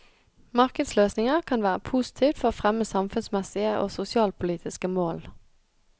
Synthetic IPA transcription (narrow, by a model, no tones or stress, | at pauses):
mɑʁkəd̪sløːsnɪŋəʁkʰɑnʋæːʁəpʰuːsɪ̥t̪ʰiːʋt̪fɔʁoːfʁɛməsɑmfʉnsmɛsɪəʔo̰ːsʊsɪɑːlpʰʊliːt̪ʰɪskəmoːl